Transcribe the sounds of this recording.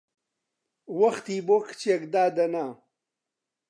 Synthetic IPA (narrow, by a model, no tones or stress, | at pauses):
wɐxt̪iːbokʰt͡ɕekd̪aːd̪ɐnaː